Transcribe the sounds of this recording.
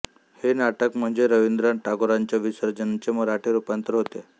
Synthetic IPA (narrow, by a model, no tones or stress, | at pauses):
henaʈəkm̤əɳd͡zeɾəʋind̪ɾaɳʈaɡoɾaɲt͡ɕjaʋisəɾd͡ʑənt͡ɕeməɾaʈʰeɾupant̪əɾɦot̪e